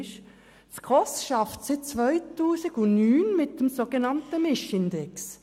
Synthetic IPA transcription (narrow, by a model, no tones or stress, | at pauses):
ʃ | sɡ̥ʁɔsʃɑftsɪt͡svœɪtuːsɪɡʊnnyːnmɪt̚d̥emsoɡ̥enɑntəmɪʃɪnd̥ɛks